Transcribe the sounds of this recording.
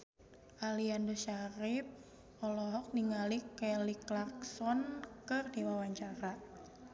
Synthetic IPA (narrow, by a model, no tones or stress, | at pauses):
ʔaliandoʃaɾɪp̚ | ɔlɔɦɔk̚niŋalikɛliklaksɔnkɨrdiwawaɲt͡ʃaɾa